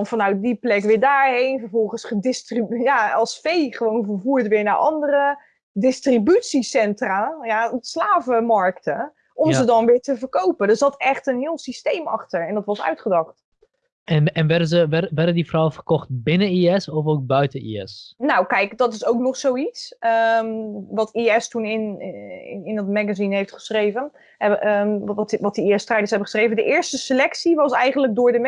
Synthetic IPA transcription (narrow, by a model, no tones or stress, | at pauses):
nfɑnœɥt̚diplɛkʋɪːɹdaːɹɦejnvəɹvɔlˠχənsχədɪstrijaɑlˠsfejχəʋownvəɹvuːɹtʋɪːɹnaɹʔɑndərə | dɪstribytsisɛntrajaslaːvəmɑɹktə | ʔɔmzədɑnʋɪːɹtəvəɹkowpəndəɹzɑtɛχtənɦɪːlˠsistejmɑ̰χtəɹɛndɑtʋɑsœ̰ɥtχədɑχt | ɛnɛnʋɛdəzəʋɛʋɛdəndifrɔwəfərkɔχt̚bɪnəniɛsɔfowk̚bœɥtəḭɛ̰snawkɛjkdɑtɪsowknɔχsowitsə | ʋɑtʰiɛstunɪn | ɪndɑtmɛɡazinɦejftχə̥srejvən | ɛətʋɑtəiɛstrɛjdəsɦɛbəχəsχrejvəndəʔɪːɹstəsəlɛksiʋɑsɛjχənləɡ̚dʊːɹdəm